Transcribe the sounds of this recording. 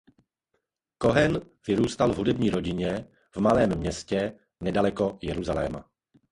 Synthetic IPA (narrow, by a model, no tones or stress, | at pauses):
ko̞ɦɛn | vɪɾuːst̪alvɦudɛbɲiːɾo̞ɟɪɲɛ | vmalɛːmːɲɛscɛ | nɛdalɛko̞jɛɾuzalɛ̰ːma̰